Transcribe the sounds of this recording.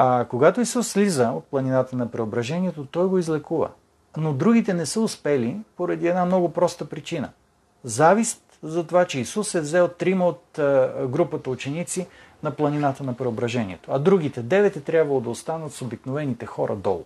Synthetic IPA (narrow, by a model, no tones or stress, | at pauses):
akoɡat̪oisusːlizəot̪̚plˠɐninat̪ənɐpɾɛobɾɐʒɛniɛt̪ot̪ɔjɡoizlɛkuvə̰ | nod̪ɾuɡʲit̪ɛnɛsəʊspɛlipoɾɐd̪iɛd̪namnɔɡʊpɾɔst̪əpɾit͡ʃinə̰ | zavist̪zɐt̪ovat͡ʃɛisusɛvzɛot̪ːɾiməot̪ɡɾupət̪əut͡ʃɛnit̪si | nɐplˠɐninat̪ənɐpɾɛobɾɐʒɛniɛ̰t̪oɐd̪ɾuɡ̟it̪ɛd̪ɛvɛt̪ɛt̪ɾʲjabvɐlˠod̪ɐost̪anət̪sobiknovɛnit̪ɛxɔɾʔɐ̰d̪ɔ̰lˠ